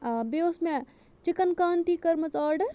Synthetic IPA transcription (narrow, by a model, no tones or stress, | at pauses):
beosme | t͡ʃikənkaːnt̪ikɐɾmɐt͡saːɾɖəɾ